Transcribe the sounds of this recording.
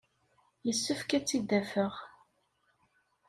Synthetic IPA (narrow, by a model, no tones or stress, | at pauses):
jəsːəfkæt͡sːid̪æfəʁ